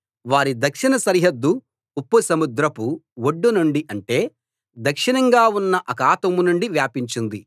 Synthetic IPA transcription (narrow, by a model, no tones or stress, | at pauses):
ʋaːɾid̪ɐkʂinɐsɐɾiɦɐd̪ːu | upːɐsɐmud̪ɾɐpuwoɖːunuɳɖiʔɐɳʈe̞ː | d̪ɐkʂinɐŋɡaːunːɐʔɐkaːt̪ɐmunuɳɖiʋjaːpiɲt͡ʃind̪i